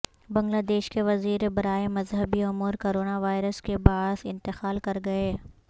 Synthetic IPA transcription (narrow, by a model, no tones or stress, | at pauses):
bɐ̃ŋɡlaːd̪eːʃkeʋɐziːɾebɐɾaːemɐzɦəbiʊmuːɾkoːɾoːnaʋaːɪɾəskebaːsɪ̃nt̪ɪqaːlkɐɾɡɐeː